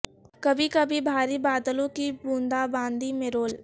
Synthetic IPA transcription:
kɐbʱikɐbʱibʱaːɾibaːd̪əlõkibũːnd̪abãːnd̪imẽɾoːl

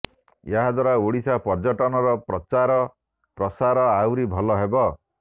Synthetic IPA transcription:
jaɦad̪waɾaoɽisʰapɔɾd͡ʒɔʈɔnɔɾɔpɾɔt͡ʃaɾɔ | pɾɔsaɾɔawɾibʱɔlɔɦebɔ

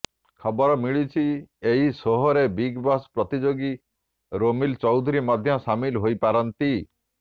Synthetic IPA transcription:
kʰɔbɔɾɔmiɭit͡ʃʰieɦisoɦɔɾebiɡbaspɾɔt̪id͡ʒoɡi | ɾomilt͡ʃɔwd̪ʱuɾimɔd̪ʱjɔsamilɦojpaɾɔnt̪i

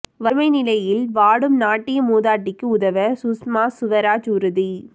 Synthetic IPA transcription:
ʋɐmɐɪnɪlɐjɪlʋaːɽɯmnaːʈːɪjɐmuːðaːʈːɪkːɯʊðɐʋɐsʊsmaːsʊʋɐɾaːd͡ʒʊɾɯði

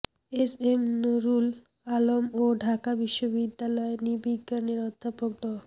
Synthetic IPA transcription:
esemnoɾul | alomoɖʱakabiʃːobid̪ːalɔenibiɡːaneɾɔd̪ʱːapok̚d̪ɔ

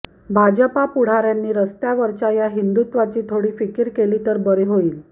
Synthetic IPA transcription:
bʱad͡ʑəpapuɽ̤aɾjanːiːɾəst̪jaʋəɾt͡ɕajaɦind̪ut̪ʋat͡ɕiːt̪ʰoɽiːfikiɾkeliːt̪əɾbəɾeɦoiːl

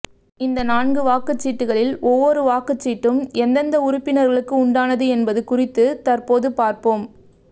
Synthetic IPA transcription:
ɪnd̪ɐnaːɳɡɯʋaːkɯt͡ʃːiːʈːɯɣɐɭɪlɔʋːɔɾɯʋaːkɯt͡ʃːiːʈːɯmɛnd̪ɐnd̪ɐʊɾʊpːɪnɐɾɣɐɭɯkːɯʊɳɖaːnɐðɯɛnbɐðɯkʊrɪt̪ːɯt̪ɐrpoːðɯpaːɾpoːm

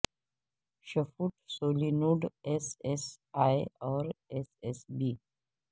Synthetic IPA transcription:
ʃɐfuʈsoːlinuːɖesesaːeɔːɾesesbiː

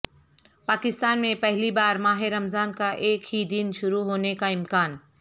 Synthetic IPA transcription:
paːkɪst̪aːnmẽpɛɦlibaːɾmaːɦeɾɐmzaːnkaʔeːkɦid̪ɪnʃʊɾuɦoːnekaɪmkaːn

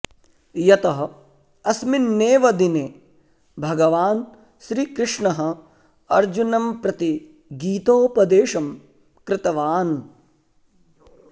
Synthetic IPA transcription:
jɐt̪ɐɦɐ | ɐsminːeːʋɐd̪ineː | bʱɐɡɐʋaːn | ʃɾiːkɾɪʂɳɐɦɐ̆ | ɐɾd͡ʒunɐmpɾɐt̪i | ɡiːt̪oːpɐd̪eːʃɐm | kɾɪt̪ɐʋaːn

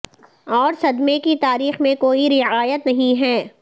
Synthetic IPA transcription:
ɔːɾsɐd̪mekit̪aːɾiːxmẽkoːiɾɪaːjət̪nɐɦĩɦɛː

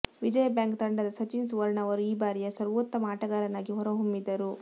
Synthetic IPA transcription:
ʋid͡ʒɐjɐbjaːŋkt̪ɐɳɖɐd̪ɐsɐt͡ʃinsuʋɐɾɳɐʋɐɾuiːbaːɾijɐsɐɾʋɔt̪ːɐmaːʈɐɡaːɾɐnaːɡiɦɔɾɐɦumːid̪ːɐɾu

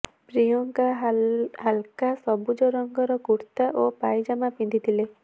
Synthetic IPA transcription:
pɾijɔŋka | ɦalkasɔbud͡ʒɔɾɔŋɡɔɾɔkuɾt̪aʔopajd͡ʒamapind̪ʱit̪ʰile

